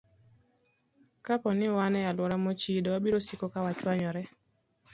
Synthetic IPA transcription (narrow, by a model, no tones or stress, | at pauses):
kapɔnɪwanɛjalwɔɾamot͡ʃidɔwabiɾosikokawat͡ʃwaɲɔɾɛ